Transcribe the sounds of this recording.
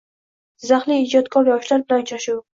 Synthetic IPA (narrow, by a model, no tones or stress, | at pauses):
zaχliɪd͡ʒɒt̪kʰɒɾɒʃlaɾbɪlant͡ʃʰaʃu